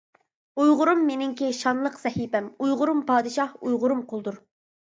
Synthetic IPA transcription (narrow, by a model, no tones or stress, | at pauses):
ujʁʊɾumːenɪŋkʲɪʃɑnlˠəqsɛhibɛmujʁʊɾumpɑːd̪ɨʃɑhujʁʊɾumqʰolˠd̪uɾ